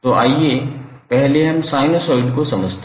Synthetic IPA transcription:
t̪oʔaːiepɛɦleɦɐmsaːɪnosɔːɪɖkosɐməd͡ʑʱt̪

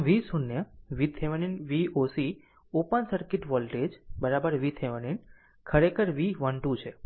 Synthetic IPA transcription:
ʋisunjəʋit̪ʰeʋeninʋiosi | opənsəɾkɪʈʋɔlʈed͡ʒbəɾabəɾʋit̪ʰeʋənin | kʰəɾekʰəɾʋiʋənʈut͡ʃʰe

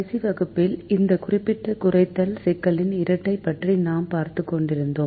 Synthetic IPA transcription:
siʋɐɣɯpːɪlɪnd̪ɐkʊrɪpːɪʈːɐkʊrɐɪt̪ːɐlsɛkːɐɭɪnɪɾɐʈːɐɪpːɐʈrinaːmpaːɾt̪ɯkːɔɳɖɪɾɯnd̪oːm

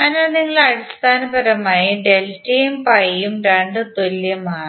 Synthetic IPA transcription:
aːnɐniŋːɐɭɐɽist̪aːnɐbɐɾɐmaːjiɖelʈːijumpɐjːumreɳɖɨt̪olːjɐmaːɳ

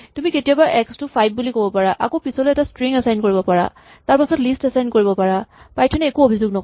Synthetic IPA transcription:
tumiketijabaʔɛkstupʰajb̚bulikobɔpaɹaʔa̰kopisɔloɛtastɹiŋɛsajnkoɹibɔpaɹa̰ | taɹpasɔtlistasajnkoɹibɔpaɹapajtʰanɛːkuobʱizuɡ̚nɔk

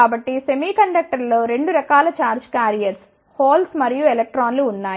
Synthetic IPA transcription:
aːbɐʈːisemiːkɐɳɖɐk̚ʈɐɾlo̞ːɾe̞ɳɖuɾɐkaːlɐt͡ʃaːɾd͡ʒkjaːɾijɐɾs | hoːlsmɐɾijuelek̚ʈɾaːnluːnːaː

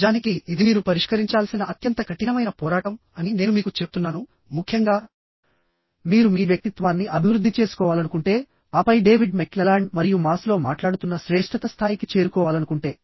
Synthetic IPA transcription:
d̪aːnikiːd̪imiːɾupɐɾiʂkɐɾiɲt͡ʃaːlsinɐʔɐt̪jɐnt̪ɐkʰɐʈinɐmɐjnɐpɔːɾaːʈɐm | ɐnine̞ːnumiːkut͡ʃepu̥t̪unːaːnu | mukʰjɐŋɡaː | miːɾumiːʋjɐk̚t̪it̪ʋaːnːiʔɐbʱiʋɾud̪ʱːit͡ʃe̞ːsu̥kɔːʋaːlɐnukuɳʈe̞ː | aːpɐjɖe̞ːʋiɖmeklɐlaːɳɖmɐɾijumaːslo̞ːmaːʈlaːɽut̪unːɐʃɾeːʂʈɾɐt̪ɐst̪ʰaːjikit͡ʃe̞ːɾukɔːʋaːlɐnukuɳʈe̞ː

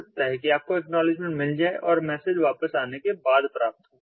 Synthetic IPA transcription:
t̪aɦekiaːp̚koɛknɔːlɪd͡ʒmẽɳʈmɪld͡ʒaːeʔɔːɾmɛːsed͡ʒʋaːpəsaːnekebaːd̪pɾaːp̚t̪ɦõː

